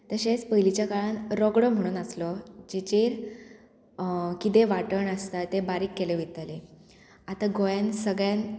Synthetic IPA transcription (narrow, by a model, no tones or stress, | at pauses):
t̪əɕespəɦilit͡ɕjakaɭanɾɔɡɽɔm̤əɽ̃uːnəslɔd͡ʑet͡ɕeɾ | kit̪eʋaʈəɳəst̪at̪ːebaɾiːkːeleʋit̪əle | at̪aɡojansəɡɭjan